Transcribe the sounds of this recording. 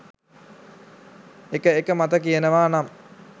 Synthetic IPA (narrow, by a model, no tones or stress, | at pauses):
ekəekəmat̪əkijənəʋaːnam